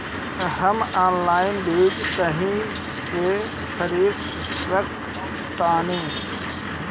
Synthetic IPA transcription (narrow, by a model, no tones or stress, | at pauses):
ɦɐmaːnlaːɪnbiːd͡ʒt̪ɐɦĩ | se | kʰəɾiːɾ | ɾək̪ | t̪aːnĩː